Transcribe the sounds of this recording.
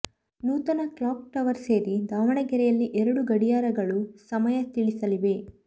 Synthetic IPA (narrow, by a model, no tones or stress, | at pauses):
nuːt̪ɐnɐklaːk̚ʈɐʋɐɾseːɾid̪aːʋɐɳɐɡɛɾɛjɐlːiʔɛɾɐɽuɡɐɽijaːɾɐɡɐɭusɐmɐjɐt̪iɭisɐliʋe̞